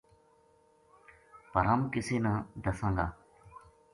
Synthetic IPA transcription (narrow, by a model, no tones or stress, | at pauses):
pəɾaːmkɪseːnãːd̪əsãːŋɡa̰ː